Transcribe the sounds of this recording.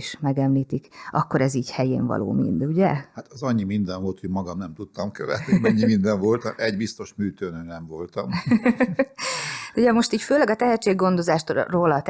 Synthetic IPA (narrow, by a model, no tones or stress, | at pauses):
iʃmɛɡɛmliːt̪ikʔɒkːo̞ɾɛziːchɛjeːɱvɒ̰lo̰ːmḭnd̪uɟɛhat̪ɒzɒɲːimind̪ɛɱvolt̪hoɟmɒɡɒmnɛmt̪ut̪ːɒmkøvɛ̰t̪nimɛɲːimind̪ɛɱvo̞lt̪ɒmʔɛɟbist̪o̞ʃmyːt̪ønøːnɛɱvo̞lt̪ɒm | d̪ɛuɟɛmo̞ʃt̪iːcføːlɛɡɒt̪ɛɦɛt̪t͡ʃːeːɡɡːo̞nd̪o̞zaːʃt̪roːlɒt̪